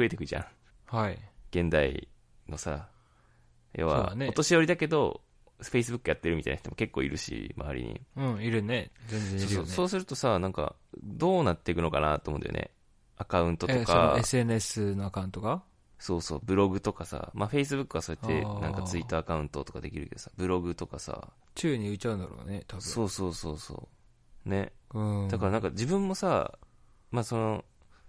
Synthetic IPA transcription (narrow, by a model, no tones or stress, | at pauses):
ɸɯ̟e̞t̪e̞kɯ̟ʑã̰ | haiɡ̥ẽ̞nd̪aḭ | no̞sa | joβa̰aneo̞t̪o̞ɕijoɾid̪ake̞d̪o̞ | ɸe̞is̬ɨbɯ̟kːɯjat̪ːe̞ɾɯ̟mʲit̪a̰inaç̥it̪omoke̞kːo̞ːḭɾɯ̟ɕḭmʔa̰βa̰ɾʲḭɲ̟ḭɯ̃ɴiɾɯ̟nezẽnzẽoːoso̞ːsɨɾɯ̟t̪o̞sanãŋka̰ | d̪o̞ːnat̪ːe̞ikɯ̟nokana̰t̪oːmond̪ḛjo̰nḛ | akaɯ̟̃nt̪o̞tokaesenesɨnoakãɯ̟̃nt̪oɡa | so̞ːso̞̰ːbɯ̟ɾo̞ɡɯ̟t̪o̞kasa̰maɸe̞is̬ɨbɯkːɯβasoet̪ːe̞̰nãŋkat͡sɨit̪ːaːkaɯ̟̃nt̪o̞t̪o̞kad̪e̞̰kʲiɾɯ̟ke̞d̪osḁbɯ̟ɾo̞ɡɯ̟t̪o̞kasa̰ | t͡ɕɨːɲ̟iɯ̟t͡ɕaɯ̃nd̪aɾo̰ːnet̪abso̞ːso̞ːso̞ːso̞̰ː | ne̞̰ɯ̥̃akaɾanãŋkad͡ʑibɯ̟̃mːo̞sa | maso̞no̞